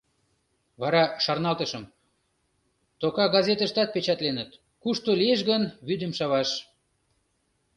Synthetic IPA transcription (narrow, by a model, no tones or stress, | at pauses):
βɑɾɑʃɑrnɑlt̪əʃəm | t̪okɑɡɑzet̪əʃt̪ɑt̪̚pet͡ɕɑt̪lenət̪ | kuʃt̪olieʃ̬ɣənβyd̪əmʃɑβɑʃ